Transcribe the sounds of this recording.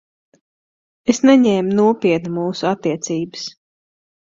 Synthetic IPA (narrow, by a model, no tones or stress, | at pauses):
esnɛɲɛːmnuɔpʲiɛt̪numuːsuat̪ːiɛt̪siːbɨs